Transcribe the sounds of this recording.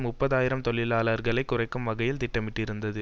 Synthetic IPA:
mʊpːɐðaːjɪɾɐmt̪ɔɭːɪlaːlɐɾɣɐɭɐɪkːʊrɐɪkːɯmːʋɐɣɐjɪlt̪ɪʈːɐmɪʈːɪɾɯnd̪ɐðɯ

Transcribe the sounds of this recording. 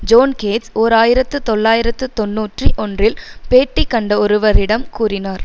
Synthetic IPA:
d͡ʒoːnkeːsoːɾaːjɪɾɐt̪ːɯt̪ɔɭːaːjɪɾɐt̪ːɯt̪ɔnːuːʈriʔɔndrɪlpeːʈːɪkːɐɳɖɐɔɾɯʋɐɾɪɽɐmkuːrɪnaːɾ

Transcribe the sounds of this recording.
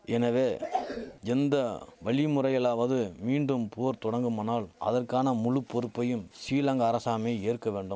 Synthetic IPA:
ɛnɐʋeː | ɛnd̪ɐʋɐɭɪmʊrɐjɐlaːʋɐðɯmiːɳɖɯmpʊɐɾt̪ɔɽɐŋɡɯmɐnaːlʔɐ̰ðɐrkaːnɐmʊɻɯpːɔɾɯpːɐjɯmsiːlɐŋɡɐːɾɐsaːmeːeːrkɐʋeːɳɖɯm

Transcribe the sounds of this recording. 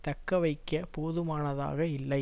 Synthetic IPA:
t̪ɐkːɐʋɐɪkːɐpoːðɯmaːnɐða̰ːɣɐɪlːɐɪ

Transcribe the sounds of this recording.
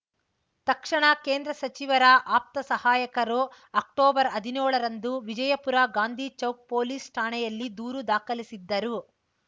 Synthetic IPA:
t̪ɐkʂɐɳɐkeːnd̪ɾɐsɐt͡ʃiʋɐɾɐʔaːp̚t̪ɐsɐhaːjɐkɐɾu | ɐk̚ʈoːbɐɾɐd̪ʱinuːɭɐɾɐnd̪uʋid͡ʒɐjɐpuɾaːɡaːnd̪ʱiːt͡ʃɐwk̚poːliːsʈʰaːɳɛjɐlːid̪uːɾud̪aːkɐlisid̪ːɐɾu

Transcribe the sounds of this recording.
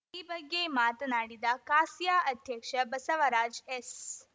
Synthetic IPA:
iːbɐɡːemaːt̪naːɽid̪ɐkaːsjaːʔɐd̪ʱjɐkʂɐbɐsɐʋɐɾaːd͡ʒes

